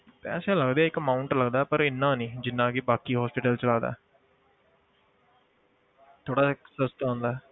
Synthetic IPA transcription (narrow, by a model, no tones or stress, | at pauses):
pɛ̰ːsẽːləɡd̪eaːɪkəmaːʊɳʈləɡd̪aːpəɾɪnːãːnĩːd͡ʒɪnːãːkibaːkiːɦɔːspɪʈəlt͡ʃəlaːd̪a̰ːɛ | t̪ʰoːɽaːsəst̪ãːnd̪aː